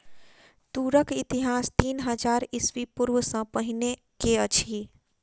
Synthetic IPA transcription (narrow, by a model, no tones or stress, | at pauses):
d̪uɾəkit̪iɦast̪iːnɦəd͡ʒaɾisʋipuɾʋəsə̃pəɦine | keət͡ʃʰi